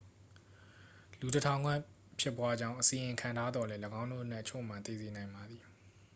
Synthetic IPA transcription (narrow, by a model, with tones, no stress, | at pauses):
lu˨tətʰã˨ʊ̃ŋɡwɛ̃˦˨ | pʰjɪ˦pːwa˦d͡ʑã̰˦˨ʔəsĩ˨ʔɪ̃˨ŋkʰã˨ntʰa˦d̪ðɔ˨lɛ˦ləɡã˦ʊ̃ndo̰˦˨nɛ˦ʔt͡ɕʰo̰˦˨m̥ã˨nt̪ḛ˦˨ze˨nã˨ɪ̃mba˨d̪ði˨